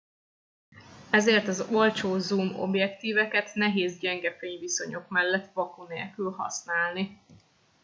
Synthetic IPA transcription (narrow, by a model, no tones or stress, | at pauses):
ɛzeːrt̪ɒzo̞lt͡ʃoːzumo̞̰bjɛkt̪iːvɛkɛt̪nɛɦeːzɟɛŋɡɛfeːɲviso̞̰ɲo̞kmɛlːɛt̪ːvɒkoneːlkylɦɒ̰snaːlni